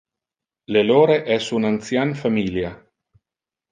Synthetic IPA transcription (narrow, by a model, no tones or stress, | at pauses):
leloːɾeʔɛsunant̪sjanfamilja